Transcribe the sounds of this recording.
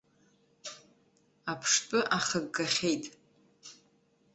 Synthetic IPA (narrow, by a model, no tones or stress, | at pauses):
apʰʂpʼɨʔaχəɡːaχʲe̞jtʼ